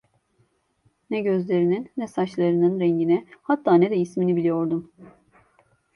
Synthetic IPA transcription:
nɛɟø̞zlʲe̞ɾininːɛsat͡ʃlˠaɾɯnɯnɾɛɲɟinɛhat̪ʰːaːnɛd̪ɛisminibilijo̞ɾd̪um

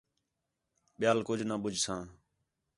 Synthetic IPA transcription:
ɓɪjaːlkʊd͡ʒʱnaːɓʊd͡ʒʱsãː

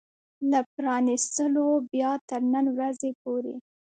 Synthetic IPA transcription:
ləpɾɑnist̪əlobjɑt̪əɾnənwɾazepoɾḛ

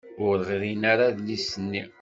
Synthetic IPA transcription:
ʊɾɾʁɾinaɾaðlisənːi

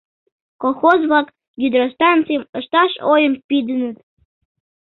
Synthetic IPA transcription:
kolˠxozβlɑk | jʲyd̪ɾost̪ɑnt͡sɨjəməʃt̪ɑʃojəmpid̪ənət̪

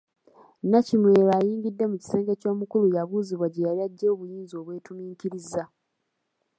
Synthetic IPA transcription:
nacimwe̞ːɾaːjiːŋɟidːe̞muci̥se̞ːŋɡe̞co̞ːmukulujaβuːziβwaɟejaɾiaɟːeoːβujiːnzo̞ːβwe̞ːtumiːciɾiza

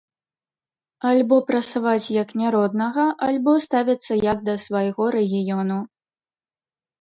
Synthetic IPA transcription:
alʲbɔpɾɐt̪savat͡sʲjɐknʲaɾɔd̪nɐɣɐʔalʲbɔst̪avʲɐt̪sːɐjɐɡd̪ɐsvɐjɣɔɾɛɣʲijɔnu

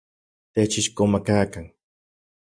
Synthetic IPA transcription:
t̪et͡ʃɪʃkomakaːkaŋ

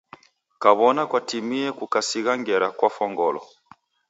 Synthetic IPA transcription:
kaβɔnakwatimiɛkukasiɣaŋɡɛɾakwafɔŋɡɔlɔ̰

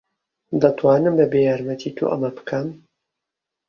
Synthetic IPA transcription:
d̪ɐt̪ʰwaːnɨmbɐbejaːɾmɐt̪ʰit̪ʰo̰ʔɐ̰mɐbɨkʰɐm

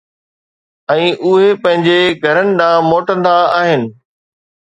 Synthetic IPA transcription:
ɛ̃ːʔʊɦepɐ̃ɦɪ̃ɲd͡ʑeɡʱɐɾənɪ̆ɗ̪ãːmoːʈə̃nd̪aaːɦɪnɪ̆

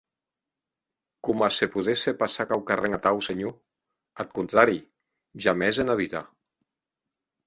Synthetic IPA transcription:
kumasepuðesepasakawkareŋat̪awseɲo | at̪̚kunt̪ɾaɾi | ʒamɛzenaβit̪a

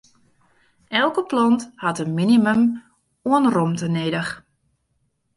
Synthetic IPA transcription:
ɛlˠkəplɔnthatənminiməm | uənromtəneːdəx

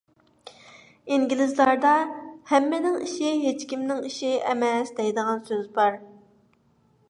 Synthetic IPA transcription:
iŋɡʲilɪzlˠɑɾd̪ɑhɛmːɪnɪŋḭʃiɦet͡ʃkʲimnɪŋiʃiɛmɛsd̪ɛjd̪əʁɑnsøzbɑɾ

